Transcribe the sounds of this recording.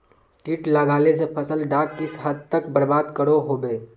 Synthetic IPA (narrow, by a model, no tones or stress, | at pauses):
ʈiːʈləɡaːlesepʰəsəlɖaːk̚t̪ɪsɦəd̪̚t̪əkbəɾbaːd̪kəɽoɦoːbeː